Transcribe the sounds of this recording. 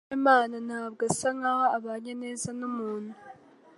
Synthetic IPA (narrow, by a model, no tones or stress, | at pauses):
emaːnanhaːbɡasaŋahoaβaɲene̞ːzanumuːn̥u